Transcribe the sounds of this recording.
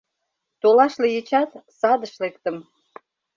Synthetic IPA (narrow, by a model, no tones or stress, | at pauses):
t̪olɑʃlejet͡ɕɑt̪sɑd̪əʃlekt̪əm